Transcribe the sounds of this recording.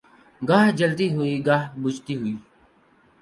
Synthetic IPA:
ɡaːɦd͡ʒəlt̪iɦʊiɡaːɦbʊd͡ʒt̪iɦʊiː

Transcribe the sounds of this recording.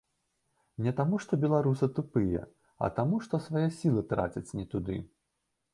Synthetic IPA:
nʲɛt̪amuʂt̪ɔbʲɛlˠaɾusɨt̪upɨjɛ̰ | ɐ̰t̪amuʂt̪ɔsvajɛsʲilˠɨt̪ɾa̰t͡sʲɐt͡sʲnʲɛt̪ud̪ɨ̰

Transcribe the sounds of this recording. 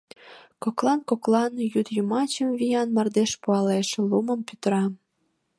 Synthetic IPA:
koklˠɑnkoklɑnjut̪jumɑt͡ɕəmvijɑnmɑrd̪eʃpuɑleʃelumə̆mpyt̪ɾɑ

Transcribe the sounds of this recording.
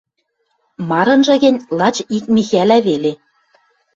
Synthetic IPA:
mɑɾɤ̆nʒɤ̆ɣɘ̆nʲlˠɑt͡ɕik̚mʲixælæβele

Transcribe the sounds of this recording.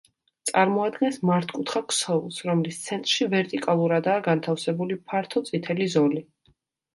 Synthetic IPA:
t̪sʼaɾmɔad̪ɡɛnsmaɾt̪ʰkʼut̪ʰχaksɔvlˠsɾɔmlist̪sʰɛnt̪ʼɾʃivɛɾt̪ʼikʼalˠuɾad̪aːɡant̪ʰafsɛbulipʰaɾt̪ʰɔt̪sʼit̪ʰɛlizɔli

